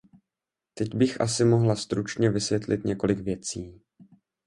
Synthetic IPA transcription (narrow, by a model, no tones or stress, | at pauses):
t̪ɛɟbɪxʔa̰sɪmo̞ɦlast̪ɾut͡ʃɲɛvɪsvjɛt̪lɪt̪ɲɛko̞lɪkvjɛt͡siː